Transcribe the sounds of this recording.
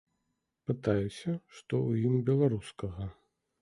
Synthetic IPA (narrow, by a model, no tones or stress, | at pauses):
pɨt̪ajusʲɐʂt̪ɔwjimbʲɛlˠaɾuskɐɣɐ